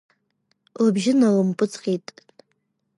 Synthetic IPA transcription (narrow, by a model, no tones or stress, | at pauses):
labʒɪnalɨmpʼɨt͡sʰʼqʼitʼ